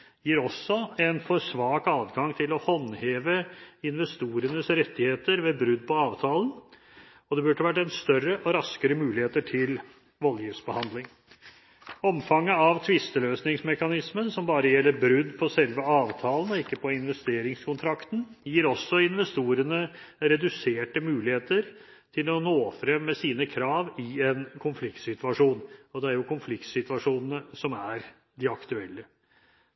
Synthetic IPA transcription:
jiːɾɔsːɔɛnfɔɾsʋɑːkɑːd̪ɡɑŋt̪ʰɪlɔhɔnheːʋəɪnʋɛst̪uːɾənəsɾɛt̪ːɪheːt̪əɾʋɛbɾʉd̪ːpʰɔɑːʋt̪ʰɑːlən | ɔd̪ɛbʉɖəʋæʈ̬ːɛnst̪œrːəʔɔɾɑskəɾəmʉːlɪheːt̪əʈʰɪl | ʋɔljiːfsbəhɑnd̪lɪŋ | ɔmfɑŋːəɑʋt̪ʰʋɪst̪əløːsnɪŋsmɛkɑnɪsmənsɔmbɑːɾəjɛlːəɾbɾʉd̪ːpʰɔsɛlʋəɑːʋt̪ʰɑːlən̩ɔɪkːəpʰɔɪnʋɛst̪eːɾɪŋskʰʊnt̪ʰɾɑkt̪n̩jiːɾɔsːɔɪnʋɛst̪uːɾənə | ɾɛd̪ʉseːʈəmʉːlɪheːt̪əɾ | t̪ʰɪlɔnoːfɾɛmːɛsiːnəkʰɾɑːʋɪɛnkʰʊnflɪkt̪sɪt̪ʉɑʂuːnɔd̪ɛæɾjʊkʰʊnflɪkt̪sɪt̪ʋɑʂuːnnəsɔmæɾ | d̪ɪɑkt̪ʉɛlːə

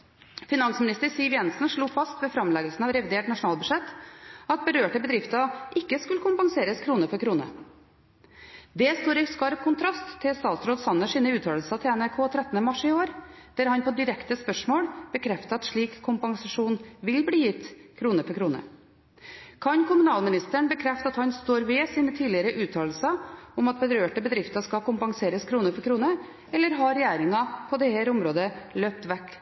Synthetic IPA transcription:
fɪnɑnsmɪnɪst̪əɾsiːʋjɛnsnʂɭuːfɑst̪ʋɛːfɾɑmlɛɡəlsn̩ɑʋɾɛʋɪd̪eːʈnɑʂʊnɑːlbʉʂɛt̪ːɑt̪̚bəɾøːʈəbəd̪ɾɪft̪ɑʔɪkːəskʉləkʰʊmpɑŋseːɾəskʰɾuːnəfɔɾkʰɾuːnə̰ | d̪ɛːst̪uːɾɪskɑɾp̚kʰʊnt̪ʰɾɑst̪ʰːɪlsɑːsɾoːd̪sɑnːəʂiːnəʉːt̪ʰɑːllsət̪ʰɪɛnæɾkʰoːt̪ʰɾɛt̪ːn̩əmɑʂɪoːɾ | d̪̥æɾhɑnpʰoːd̪ɪɾɛkt̪əspœʂmoːɽb̥əkʰɾɛft̪əɑt̪ʂɭiːkʰːʊmpɑŋsɑʂuːnʋɪlbliːjɪt̪ːkʰɾuːnəfɔɾkʰɾuːnə̰ | kʰɑnkʊmʉnɑːlmɪnɪst̪əɳbəkʰɾɛft̪əɑt̪hɑnst̪oːɾʋɛsiːnət̪ʰiːlɪəɾəʔʉːt̪ʰɑːl̩sɑʊmɑt̪̚bəɾøːʈəbəd̪ɾɪft̪ɑʂkɑkʊmpɑŋseːɾəskʰɾuːnəfɔɾkʰɾuːnə | ɛlːəɾɦɑɾɛjæːɾɪŋɑpʰɔd̪ɛhæːɾʊmɾoːd̪əløːp̚t̪ʋɛkː

